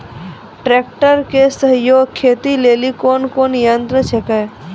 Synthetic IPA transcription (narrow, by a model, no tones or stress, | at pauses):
ʈɾeːk̚ʈəɾkesəɦjoːɡkʰːeːt̪ileːlikoːnkoːnjənt̪ɾət͡ʃʰekaj